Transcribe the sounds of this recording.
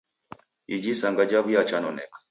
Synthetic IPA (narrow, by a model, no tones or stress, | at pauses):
id͡ʒisaŋɡad͡ʒaβijat͡ʃanɔnɛk